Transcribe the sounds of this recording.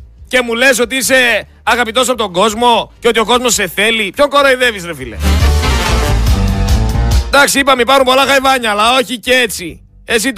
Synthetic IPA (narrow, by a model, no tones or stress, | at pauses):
ce̞mule̞s̬o̞t̪iise̞ | ɐɣɐpit̪o̞s̬ɐpot̪o̞ŋɡo̞zmo̞ceo̞t̪io̞ko̞zmo̞sːe̞θe̞lipço̞ŋkoɾoiðe̞visɾefilḛ | d̪ɐksiipɐmipɐɾumpo̞lɐxɐjvɐɲɐːlɐo̞çicee̞t͡si | esit̪